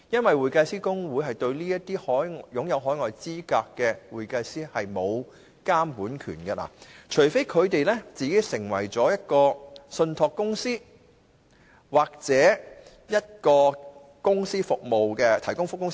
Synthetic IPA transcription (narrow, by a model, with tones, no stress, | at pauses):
jɐ˥nwɐ˨jwuː˨jka˧jsiː˥kʊ˥ŋwuː˨˥ɦɐ˨˩jt̪ɵ˧ɥliː˥jɐ˥tt̪iː˥hɔː˨˥jŋ˨jʊ˨˥ŋjɐ˨˧wɦɔː˨˥jŋɔː˨jt͡siː˥kaː˧kːɛː˧wuː˨˩jkɐ˧jsiː˥hɐ˨jmo˨˧w | kaː˥mpuː˨˥nkʰy̰ː˨˩nɡɐ˧la̰ː˨˩t͡ʃʰɵ˨˩ɥfe˥jkʰɵ˨˧ɥt̪e˨jlɛ˥t͡siː˨ke˨˥jsɪ˨˩ŋwɐ̰˨˩jt͡sɔː˨˥jɐ˥t̚kɔː˧sɵ˧nt̪ʰɔː˨˧kːʊ˥ŋsiː˥ | waː˨˩k̚t͡sɛː˨˥ | jɐ˥t̚kɔː˧ | kʊ˥ŋsiː˥fʊ˨k̚mo˨wkɛː˧t̪ʰɐ˨˩jkʊ˥ŋfʊ˥kːʊ˥ŋsi˥